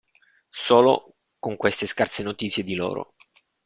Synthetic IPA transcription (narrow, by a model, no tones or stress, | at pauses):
soːlo̰ | koŋkwest̪eskarsenot̪it̪sjed̪ilo̰ːɾo̰